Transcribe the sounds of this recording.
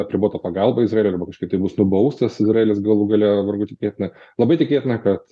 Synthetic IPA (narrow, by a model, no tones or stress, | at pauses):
ɐpʲɾʲɪboːt̪ɐpɐɡɐlˠbɐɪzrɑeːlʲojɐrbɐkɐʃkɪt̪ɐɪbʊsnʊbɐʊst̪ɐsɪzrɑeːlʲɪsɡɐlˠʊɡɐlʲɛʋɐɾɡʊt̪ʲɪkʲeːt̪ʲɪnɐlˠɐbɐɪt̪ʲɪkʲeːt̪ʲɪnɐkɐt̪